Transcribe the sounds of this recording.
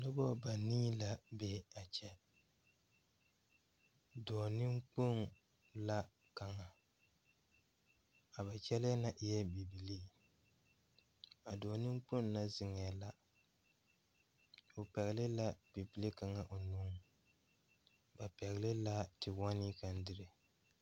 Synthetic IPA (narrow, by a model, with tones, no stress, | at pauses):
nʊ˦bɔ˦ba˨niː˦la˦bɛ˦˨a˨t͡ʃɛ˦ | dɔː˨nɪ˦ŋk͡po˦n | la˦ | ka˨ŋa˨ | a˨ba˨t͡ʃɛ˦lɪ˦a˦na˨ʔɪ˨jɛ˦bi˨bi˨li˦ | a˨dɔː˨nɪ˦ŋ͡mk͡po˦n˦na˦zɪ˦ŋɛ˨a˨la˦ | o˨pɛ˨ɣlɪ˦la˦b̥i˨bi˦li˦ka˨ŋa˨ʔo˨nu˦ŋ | ba˨pɛ˨ɣlɪ˦la˦tɪ˨wa˦ni˦ka˨n˦dɪ˦ɾɪ˨